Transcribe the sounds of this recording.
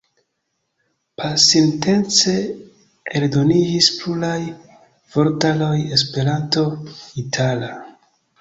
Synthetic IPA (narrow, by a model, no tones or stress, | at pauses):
pʰasinte̞nt͡se̞ | eldo̞nid͡ʒispluɾaj | v̥o̞ɾtalo̞je̞spe̞ɾanto̞itʰala